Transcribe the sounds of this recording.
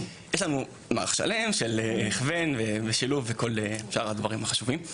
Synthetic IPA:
jeʃlanu | maʁa̰χʃa̰le̞mʃelːχve̞nveveʃiluvːeko̞leʃaʁad̪vaʁimaχaʃuvim

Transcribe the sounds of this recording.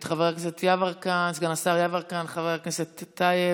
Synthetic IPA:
t̪χaveʁakset̪ʰjavaʁkansɡanasaʁjavaʁkanχaveʁakneset̪ːaje

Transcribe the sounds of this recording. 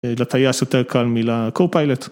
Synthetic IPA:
lɐt̪ːɐjɐːsɐt̪ɐɾkɐlmilɐkowpɐjlɛt̪

